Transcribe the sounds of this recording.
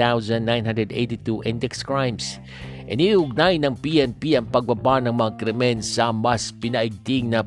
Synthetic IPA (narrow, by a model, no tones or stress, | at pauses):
awzãnd̪ːãjnɦãndɹɛd̪ḛjt̪it̪uʔɪ̃nd̪ɛkskɹajms | ʔɛniʊɡ̚najnɐŋpiɛnpiɐŋpɐɡ̚babanɐŋmɐŋakɾɛmɛnsɐʔmːaspɪnaʔɪɡ̚t̪iŋnɐ